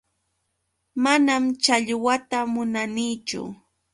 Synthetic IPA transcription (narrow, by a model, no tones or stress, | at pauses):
manamt͡ʃaʎwat̪amʊnaniːt͡ʃʊ̰